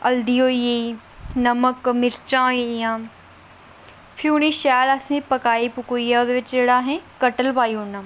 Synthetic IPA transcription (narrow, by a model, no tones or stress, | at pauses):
ɐld̪iːoːie | nɐməkmɪɾt͡ʃãːiijãː | fʰiuniʃaːlɐsĩpɐkaːipʊkoieʊd̪ʋɪt͡ʃd͡ʒeːɽaːɦẽkɐʈəlpaːionã